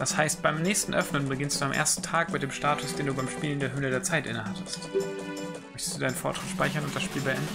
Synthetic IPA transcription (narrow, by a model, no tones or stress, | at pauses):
d̥ashaɪst̚b̥aɪmnɛːçstn̩ʔœfnənbəɡɪnstd̥uamʔḛːɐstn̩tʰaːk̚bmat̚d̥eːmʃtaːtʰʊsd̥eːnduːbaɪmʃpiːlndeːɐɦøːlədeːɐt͡saɪtʔɪ̰nəɦatʰəst | mœçtə̥std̥uːdaɪnənfɔːɐtʃʁ̥ɪtʃpaɪçɐnʊnt̚d̥asʃpiːlbəʔɛ̰ndn̩